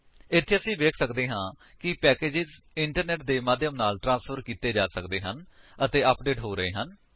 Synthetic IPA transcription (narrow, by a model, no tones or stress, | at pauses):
ɪt̪ʰːeːəsĩːʋeːkʰsəkd̪eːɦãː | kɪpɛːkeːd͡ʒɪz | ɪɳʈəɾnɛːʈ̚d̪eːmaːd̪jəmnaːlʈɾãːspʰəɾkiːt̪eːd͡ʒaːsəkd̪eːɦən | ət̪eːəpɖeːʈɦoːɾəḛːɦən